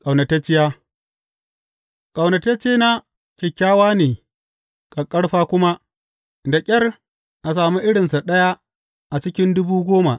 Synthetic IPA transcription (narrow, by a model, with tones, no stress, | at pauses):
kʼa˨wnɐ˨ta˦t͡ʃɪ˦ja˦ | kʼa˨wnɐ˨tɐ˦t͡ʃeː˦na˦ | kʲe˨kʲːaː˦waː˦neː˨ | kʼa˨kʼɐ˦ɽɸaː˦kʷʊ˦ma˦ | da˨kʲʼɐ˦r | ʔa˨s̬aː˨mu˦ʔɪ˦ɽɪ˨nsa˨ɗɐ˦ja˦ | ʔa˨t͡ʃɪ˦kʲɪ˦ndʊ˦buː˦ɡʷoː˦ma˨ʔ